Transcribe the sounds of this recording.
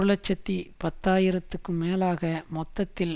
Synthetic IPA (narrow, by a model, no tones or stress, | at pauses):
ɾlɐt͡ʃːɐt̪ːipɐt̪ːaːjɪɾɐt̪ːɯkːɯmeːlaːɣɐmɔt̪ːɐt̪ːɪl